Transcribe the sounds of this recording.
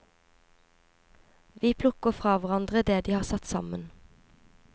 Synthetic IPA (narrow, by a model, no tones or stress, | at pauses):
ʋiːpʰlʊkəfʁɑːʋoʁɑnd̪ʁəd̪eːd̪iːhɑːsɑt̪sɑ̰mən